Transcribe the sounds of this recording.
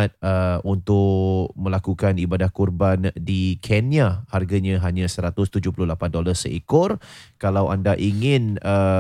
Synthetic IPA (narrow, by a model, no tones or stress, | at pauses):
t̪̚əunt̪ʊkmə̃lakukanibadahkurbandikʰeniaharɡaɲãɦaɲãsəɾat̪ʊst̪ud͡ʒʊhpulʊlapandolarsə̰ikʊrkalawa̰ndaʔiŋɪnə